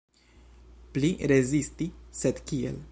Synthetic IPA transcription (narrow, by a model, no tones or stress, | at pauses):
pliɾezist̪ised̪kiḛl